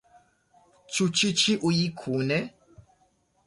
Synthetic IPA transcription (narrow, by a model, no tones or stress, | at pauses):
t͡ʃʰut͡ʃit͡ʃʰiʔujikʰunɛ